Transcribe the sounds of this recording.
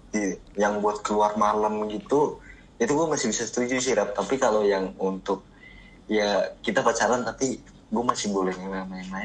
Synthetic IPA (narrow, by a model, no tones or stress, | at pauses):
t̪ijaŋbuat̪̚kəluarmaləmɡit̪u | it̪uɡuamasɪhbisast̪ud͡ʒus̬iɾap̚t̪apikalojaŋunt̪ʊk̚ | jaːit̪apat͡ʃaɾant̪api | ɡuamasɪbolɛhɲamamama